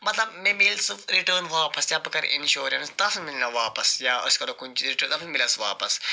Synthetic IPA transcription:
mɐt̪lɐbmẽmilsɨɾiʈəːnʋaːpɐsjabɐkɐɾ̰ʔɪ̰nʃoːɾɐnst̪ɐsmilnɐʋaːpɐsjaːɐ̰skɐɾokunt͡ʃiɾiʈəːɾt̪ɐfʰnmɪlɐsʋa̰ːpɐs

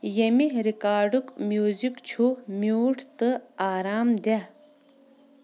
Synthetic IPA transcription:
jemiɾikaːɖukmjuːzikt͡ɕʰumjuːʈʰt̪ɨaːɾaːmd̪a

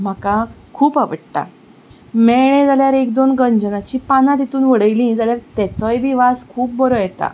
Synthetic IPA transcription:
m̤akakʰuːpaʋəɽʈ̪a̰ | mɛɭẽd͡zaljaɾekd̪onɡəɲd͡ʑənat͡ɕiːpanãt̪it̪uːnʋəɽəjlĩːd͡zaljaɾt̪ɛt͡sɔjʋiʋaskʰuːpbəɾojɛt̪a̰

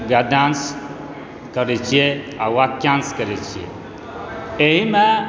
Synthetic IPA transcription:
ɡad̪ans | kəɾet͡ʃʰije | awakjanskəɾɛt͡ʃʰijḛ | eɦime

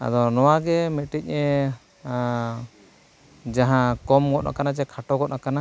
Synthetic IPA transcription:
a̰d̪ɔnɔwaɡɛmɛʈic̚ˀɲɛ | d͡ʒaɦãkɔmɡɔʔ̚nʔa̰kanad͡ʒɛkʰaʈɔɡɔt̪nakana

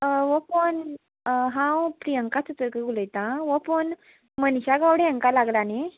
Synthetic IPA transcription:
ʋəpən | ɦãwpɾijəŋkat͡sut̪əɾkəɡuləjt̪ãʋəpon | mənɕaɡawɽeəŋkalaɡlane

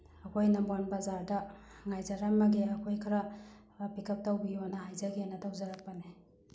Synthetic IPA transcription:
ɐkʰojnɐmbanbɐzaɾdɐ | ŋajzaɾamːɐɡeɐkʰojkʰɐɾɐ | pikʰɐp̚tawbijonɐhajzaɡenɐtʰawzɐɾak̚pɐne

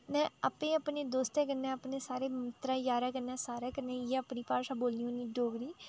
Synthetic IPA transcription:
nɛ̃ːapẽːəpneːd̪oːst̪eːk̬əɾnẽːəpneːsaːɾeːmɪt̪ɾãːjaːɾaːkəɾnãːsaːɾaːkəɾnẽːjeːəpniːpaːʃãːboːlniːoːniːɖoːɡɾiː

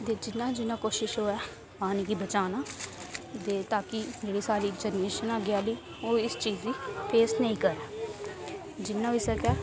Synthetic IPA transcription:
t̪eːd͡ʒɪnːãːd͡ʒɪnːãːkoːʃɪʃɦoːɛː | maːnikiːbət͡ʃaːnaː | t̪eːt̪aːkɪd͡ʒeːɽiːsaːɾiːd͡ʒɛːnɾeːʃənaːɡɪaːliː | oːɪst͡ʃiːzd̪iːpʰeːsnəĩːkəɾɛː | d͡ʒɪnːãːoiːsəkɛː

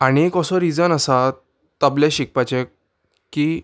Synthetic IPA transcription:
aɽ̃iekəsɔɾid͡zənəsa | t̪əblẽɕik̚pat͡ɕe | ki

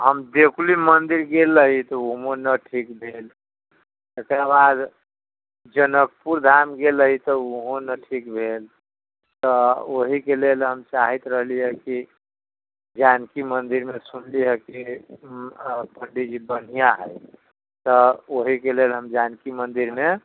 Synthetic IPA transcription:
ɦəmd̪ekʰlimənd̪iɾɡelːəɦit̪ɔuɦonəʈʰikbʱel | ekɾabad̪ | d͡ʒənək̚puɾd̪ʱamɡeləɦit̪ɔuɦõnəʈʰikbʱel | t̪ɔoɦikelelɦəmt͡ʃaɦit̪ɾəɦliəki | d͡ʒankimənd̪iɾmesunliɦəki | pəɳɖid͡ʒibən̤ijaɦə̰j | t̪ɔoɦikelelɦəmd͡ʒankimənd̪iɾme

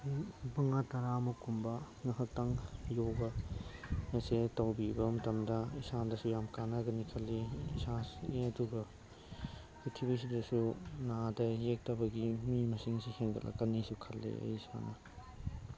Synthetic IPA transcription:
bɐŋatɐɾamɐkumbɐ | ŋɐɦɐk̚taŋjoɡɐ | esetɐwbibɐmɐtɐmdɐisandɐsujamkanaɡɐnikʰɐlːiisaseɐduɡɐ | itʰibisidɐsunadɐjek̚tɐbɐɡimimɐsiŋsiheŋdɐ̰lʔɐ̰kɐnisukʰɐlːḛɐ̰jsa̰nɐ

